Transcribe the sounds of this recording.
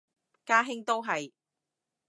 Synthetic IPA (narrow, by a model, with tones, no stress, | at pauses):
kaː˥ɦɪ˥ŋt̪o˥wɦɐ˨j